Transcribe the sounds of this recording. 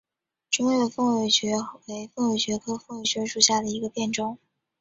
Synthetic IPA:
ʈ͡ʂʊ˥ŋɛ˥˩fɤ˥˧ŋwe˧˩ɪɕɥɛ˧˥we˧˥ɪfɤ˥ŋwe˨˩ɕɥɛ˧˥kʰɤ˥fɤ˥˩ŋwe˨˩ɕɥɛ˧˥ʂu˥˩ɕja˥˩d̪ə˩i˧˥ɡə˧pjɛ˥˩nʈ͡ʂʊ˥ŋ

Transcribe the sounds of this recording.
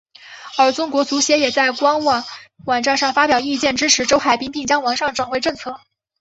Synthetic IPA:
ə˞˧˥t͡sʊ˥ŋkwɔ˧˥t͡su˧˥ɕjɛ˧˥jɛ˨˩t͡sa˥˩ɪkwɑ˥ŋwɑ˥˩wɑ˨˩ŋnʈ͡ʂa˥˧nʂɑ˥˩ŋfa˥pjɑ˨˩ʊi˥˧t͡ɕjɛ˥˩nʈ͡ʂɻ̩˥ʈ͡ʂʰɻ̩˧˥ʈ͡ʂo˥ʊxa˨˩ɪpi˥ŋpʰi˥˩ŋt͡ɕjɑ˥ŋwɑ˧˥ŋʂɑ˥˩ŋʈ͡ʂwa˨˩ŋwe˥˧ʈ͡ʂɤ˥˧ŋt͡sʰɤ˥˩

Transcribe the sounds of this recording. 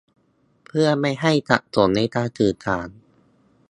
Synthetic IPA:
pʰɯ˥˩ɐma˥˩jɦa˥˩jt̪a̰˨˩ʔt̪o˩˦nːa˧˥jt̪aː˧tɯː˨˩t̪̚kʰaː˩˦n

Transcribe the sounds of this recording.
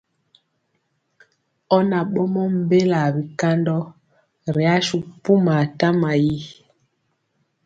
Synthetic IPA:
ɔ˦na˨ɓɔ˦mɔ˦m̩˨be˦la˨bi˨ka˦ndɔ˦ | ɾi˨a˦ʃu˦pu˦ma˨ta˦ma˨ji˦

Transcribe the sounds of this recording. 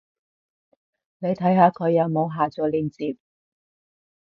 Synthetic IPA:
ne˨˧jt̪ʰɐ˨˥jɦaː˧kʰɵ˨˧ɥjɐ˨˧wmo˨˧wɦaː˨t͡sɔː˨liː˨˧nt͡siː˨p̚

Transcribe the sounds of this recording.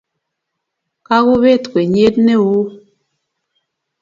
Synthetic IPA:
ka˦ɣo˦βe˦˨tkwe˨ɲe˦t̚ne˦wu˦

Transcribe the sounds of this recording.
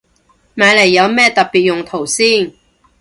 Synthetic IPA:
maː˨˧jle˨˩jːɐ˨˧wmɛː˥t̪ɐ˨k̚pi˨t̚jʊ˨˩ŋt̪ʰo˨˩wsiː˥˩n

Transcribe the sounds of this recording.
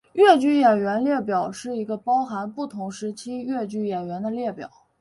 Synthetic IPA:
ɥɛ˥˩t͡ɕy˥˩jɛ˨˩nɥɛ˧˥nljɛ˥˩pjɑ˨˩ʊʂɻ̩˥˩i˧˥ɡə˧pɑ˥ʊxa˧˥npu˥˩t̪ʰʊ˧˥ŋʂɻ̩˧˥t͡ɕʰi˥ɥɛ˥˧t͡ɕy˥˩jɛ˨˩nɥɛ˧˥nd̪ə˧ljɛ˥˩pjɑ̰˨˩˦ʊ

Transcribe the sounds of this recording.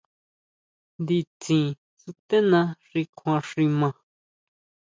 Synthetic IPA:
nd̪i˧t͡sĩ˨ | su˧t̪e˦nã˧ʂi˧kʰã˧ʂi˧mã˧

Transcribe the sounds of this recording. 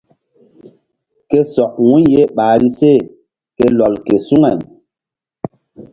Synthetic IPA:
ke˦sɔ˨k̚wu˦nje˦ɓaː˨ɾi˦se˦˨ | ke˦lɔ˨lke˨su˦ŋɛ˨m

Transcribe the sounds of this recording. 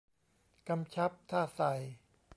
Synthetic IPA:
ka˧mt͡ɕʰa˦˥p̚t̪ʰaː˥˩sa˨˩j

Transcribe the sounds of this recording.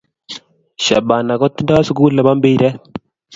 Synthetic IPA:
ʃa̰˨ba˨na˨kɔ˦t̪i˦nda˦su˦kuː˦lɛ˨ba˦mbe˦ɾɛ˦

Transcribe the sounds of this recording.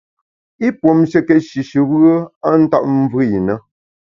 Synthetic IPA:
i˦pwo˨mʃə˦kɛ˨t̚ʃi˨ʃɨ˨bɣə˦a˦n̩˦ta̰˦˨p̚vɨ˦i˨nə˦

